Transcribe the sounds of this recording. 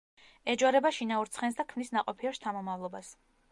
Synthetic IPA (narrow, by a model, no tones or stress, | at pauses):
ɛd͡ʒwaɾɛbaʃinauɾt̪sʰχɛnsd̪akʰmnisnaqʼɔpʰiɛɾst̪ʰamɔmavlˠɔbas